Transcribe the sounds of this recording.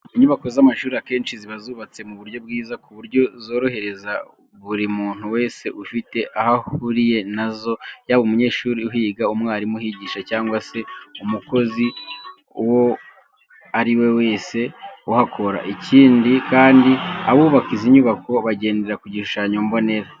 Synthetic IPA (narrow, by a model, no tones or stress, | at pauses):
iɲuβako̞zamaʃuːɾiake̞ːnʃiziβazuːβat͡se̞muβuɾɟo̞b̚ɡiːzakuβuɾjo̞zo̞ːɾo̞he̞ɾe̞za | βuɾimuːn̥huwe̞ːse̞ʔufite̞ʔahahuɾije̞nazo̞jaβumuɲe̞ːʃuːɾiuɦiːɡaumŋaːɾimuhiɟiːʃacaːŋɡwase̞umuko̞zi | wo̞ | aɾiwe̞we̞ːse̞uhakʰo̞ɾa̰ʔiciːndikaːndia̰βuːβakiziɲuβako̞βaɟe̞ːnde̞ɾakuɟiʃuʃaːɲombo̞ne̞ɾa